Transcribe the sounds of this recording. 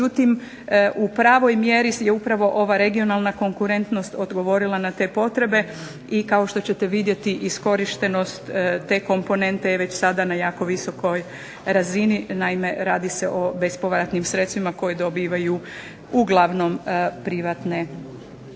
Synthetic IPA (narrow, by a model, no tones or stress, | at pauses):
eut̪im | ʔupɾaːʋo̞jmje̞ɾijeupɾaʋo̞ʔo̞ʋaɾe̞ɡio̞nalˠnako̞ŋkuɾe̞nt̪no̞st̪o̞d̪ɡo̞ʋo̞ɾilˠanat̪e̞ːpo̞t̪ɾe̞be̞ | ikao̞ʃt̪o̞t͡ɕe̞t̪e̞ʋid̪je̞t̪iʔisko̞ɾiʃt̪e̞no̞st̪ːe̞ko̞mpo̞ne̞nt̪eʋe̞t͡ɕsad̪anajaːko̞ʋiso̞ko̞j | ɾazininaime̞ɾaːd̪iseʔo̞be̞spo̞ʋɾat̪nimsɾet̪st̪ʋimako̞jed̪o̞biːʋaju | uɡlˠaʋno̞mpɾiʋat̪ne̞